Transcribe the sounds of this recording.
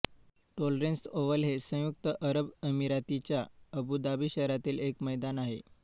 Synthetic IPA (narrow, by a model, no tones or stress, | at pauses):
ʈolɾensoʋəlɦesə̃juk̚t̪əʔəɾəbəmiɾat̪it͡ɕjaəbud̪abiɕəɾat̪iːlekməjd̪anaɦḛ